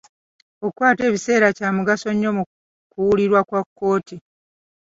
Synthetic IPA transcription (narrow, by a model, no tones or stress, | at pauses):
okwaːte̞ːβise̞ːɾacaːmuɡaso̞ɲːo̞mu | kuwuliɾwakwakːo̞ːti